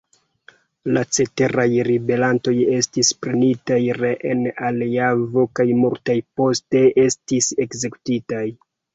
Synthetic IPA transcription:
lat͡se̞te̞ɾajɾibe̞ɾanto̞je̞stispɾenitajɾeʔenaliavo̞kajmuɾtajpo̞ste̞e̞stise̞kze̞ku̥titaj

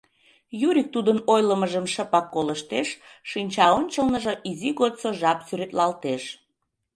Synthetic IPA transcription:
juɾʲik̚t̪ud̪ənojləməʒəmʃəpɑkːoləʃt̪eʃːinʲt͡ɕɑonʲt͡ɕəlnəʒəʔiziɣot̪soʒɑpsyɾet̪lɑlt̪eʃ

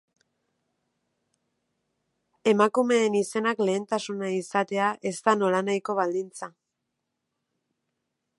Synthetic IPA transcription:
e̞makume̞ːnise̞nakle̞ːnt̪asunaisat̪e̞aʔe̞st̪ano̞lanajko̞βald̪int͡sa

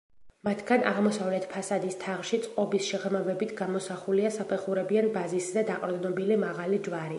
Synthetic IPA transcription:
mat̪ʰɡanʔa̰ʁmɔsavlɛt̪ʰpʰasad̪ist̪ʰaʁʃit̪sʼqʼɔbisʃɛʁɾmavɛbit̪ʰɡamɔsaχuliasapʰɛχuɾɛbianbaziszɛd̪aqʼɔɾd̪nɔbilimaʁalid͡ʒwaɾi

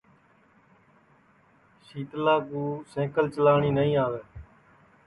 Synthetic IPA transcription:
ʃiːt̪laːkuːsẽːkəlt͡ʃəlaːɳiːnəĩːaːʋeː

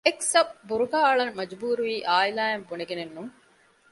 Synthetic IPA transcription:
eksɐbbuɾuɡaːɐɭɐnmɐd͡ʒbuːɾuʋiːʔaːilaːembuneɡenenːuŋ

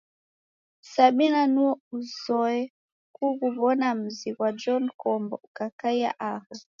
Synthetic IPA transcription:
saɓinanuɔuzɔɛ | kuɣuβɔnam̩ziɣwad͡ʒɔnkɔmbɔukakaia̰ʔaɣa

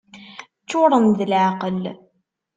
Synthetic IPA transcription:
t͡sːʊɾˤənðəlʕaqəl

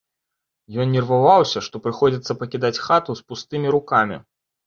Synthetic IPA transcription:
jɔnnʲɛrvavawsʲɐʂt̪ɔpɾɨxɔd͡zʲit̪sːɐpɐkʲid̪at͡sʲxat̪uspust̪ɨmʲiɾukamʲḭ

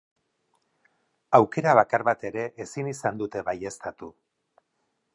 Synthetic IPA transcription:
awke̞ɾaβ̞akaɾβat̪e̞ɾe̞ʔesinisand̪ut̪e̞βaje̞st̪at̪u

